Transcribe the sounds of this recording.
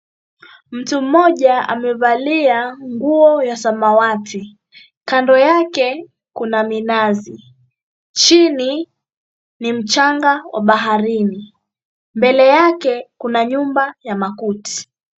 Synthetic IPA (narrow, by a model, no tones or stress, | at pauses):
m̩tum̩ːɔʄaa̰mɛvaliaŋɡuɔjasamawatʰi | kandɔjakɛ | kunaminazi | t͡ʃini | nim̩t͡ʃaŋɡawʔa̰ɓaɦaɾini | mbɛlɛjakɛkunaɲumbajamakuti̥